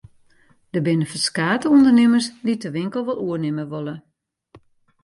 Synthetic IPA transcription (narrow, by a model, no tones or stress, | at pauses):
d̥əbɪnəfəskaːtəundərnɪməslitəʋɪŋkəl̩ˠʋɔlˠuərnɪməʋolˠə